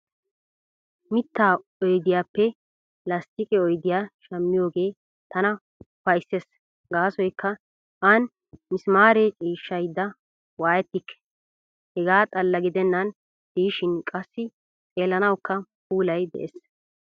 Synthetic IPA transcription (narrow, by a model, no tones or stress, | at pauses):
mɪt̪ːaːɔjd̪ɪjaːpːɛ | lɐst̪ɪkʼɛɔjd̪ɪjaːʃɐmːɪjo̞ːɡe̞ː | t̪ɐnɐ | fɐjsːes | ɡaːsɔjkːɐ | ʔɐn | mɪsmaːɾet͡ʃʼiːʃːɐjd̪ːɐ | waːjɛt̪ːɪkːɛ̥ | hɛɡaːt̪ʼɐlːɐɡɪd̪ɛnːɐn | d̪̥iːɪʃɪnkʼɐsːɪ | t͡sʼe̞ːlːɐnɐwkːɐpuːlɐjd̪ɛ̰ʔeːs